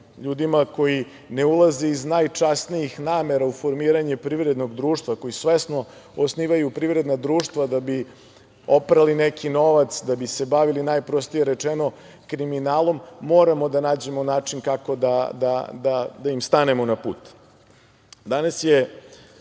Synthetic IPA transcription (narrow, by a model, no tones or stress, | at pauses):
ʎuːd̪imako̞ji | ne̞ulˠazeiznajt͡ʂasnijixnaːme̞ɾaufo̞ɾmiːɾaɲepɾiʋɾed̪no̞ɡd̪ɾuːʃt̪vʋako̞jisʋesno̞ | osniːʋajupɾiʋɾe̞d̪nad̪ɾuːʂt̪ʋad̪abi | opɾalinekʰino̞ʋat̪sd̪abise̞baʋilinaːjpɾost̪ijeɾet͡ʂeno̞ | kɾiminaːlˠo̞mːo̞ːɾamo̞d̪anaːd͡ʑe̞monaːt͡ʂinkako̞d̪ad̪ad̪ad̪aimst̪ane̞mo̞napṵːt̪ | d̪anasje